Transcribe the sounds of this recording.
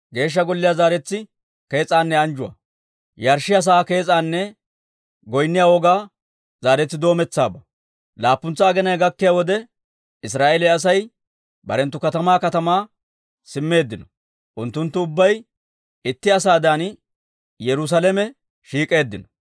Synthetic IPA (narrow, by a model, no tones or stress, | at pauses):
ɡe̞ːʃ̬ːɐɡɔlːɪjaːzaːɾɛt͡sːɪ | ke̞ːt͡sʼaːnːɛɐnd͡ʒʊwɐ̰ | jɐɾʃɪjɐs̬aːke̞ːt͡sʼaːnːɛ | ɡɔjnːɪjaːwɔɡaː | zaːɾɛt͡sːɪd̪o̞ːmɛt͡sːaːbɐ | laːpːʊnt͡sːɐːɡɛnɐjɡɐkːɪjaːwɔd̪ɛ | ɪs̬ɾaːʔɛlɛɐs̬ɐj | bɐɾɛnt̪ːʊkɐt̪ɐmaːkɐt̪ɐmaː | sɪmːe̞ːd̪ːɪnɔ | ʔʊnt̪ːʊnt̪ːʊʊbːɐj | ɪt̪ːɪɐs̬aːd̪aːn | jɛɾʊs̬ɐlɛmɛ | ʃiːkʼe̞ːd̪ːɪnɔ̥